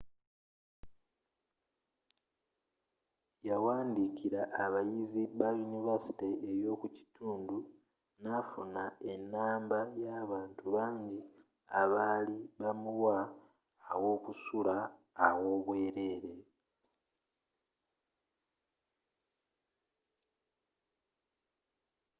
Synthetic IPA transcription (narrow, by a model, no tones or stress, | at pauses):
jawaːndikiɾaʔːβajiziβajunivasi̥teejo̞ːkuci̥tʰuːndu | nafunae̞nːaːmbajaːβaːntʰuβaːɲɟi | aβaliβamuwaː | wo̞ːkusulaː | wo̞ːβwe̞ːɾe̞ːɾe̞